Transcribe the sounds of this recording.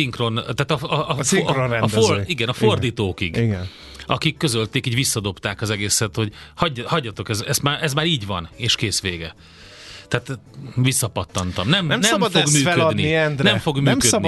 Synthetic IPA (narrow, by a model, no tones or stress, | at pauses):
siŋkro̞nt̪aːt̪ɒɒonɛnɒoiɡɛnɒfo̞rd̪iːt̪oːkiɡɡɛn | ɒkikːø̞zølt̪eːkiːɟʋisːɒd̪o̞pt̪aːkɒzɛɡeːsɛt̪hoɟhɒɟːhɒɟːɒt̪o̞kɛzɛst̪maːʔɛzmaːɾiːɟvɒ̰neːʃkeːsʋeːɡɛ | t̪ɛaːt̪ | visːɒpɒt̪ːɒnt̪ɒmnɛmnɛmnɛmdfoɡmyːɛød̪niiɛnd̪nɛmfo̞ɡmyːmkødn